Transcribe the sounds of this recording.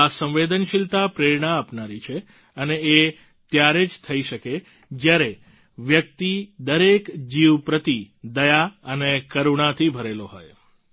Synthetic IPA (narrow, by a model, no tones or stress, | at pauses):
asə̃mʋed̪ənʃɪlt̪apɾeɾɳaːpnaɾit͡ʃʰe | əneː | t̪jaɾed͡ʒt̪ʰəiʃəke | d͡ʒjaɾe | ʋjək̚t̪id̪əɾekd͡ʒiʋpɾət̪i | d̪əjaənekəɾuɳ̃at̪ʰibʱəɾeloɦoj